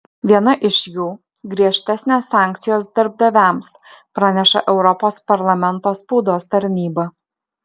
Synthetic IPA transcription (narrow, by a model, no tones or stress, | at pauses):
ʋʲiɛnɐʔɪʃʲjuː | ɡɾʲiɛʃʲt̪ʲɛsʲnʲeːsːɑːˑŋʲk̚ʲt̪sʲɪjoːsd̪ʲɐɾb̚d̪ɐʋʲæˑmspɾɑːnʲɛʃɐ̰ʔɛʊɾɔpoːspɐɾlˠɐmʲɛnˑt̪oːspʊd̪oːst̪ɐɾʲnʲiːbɐ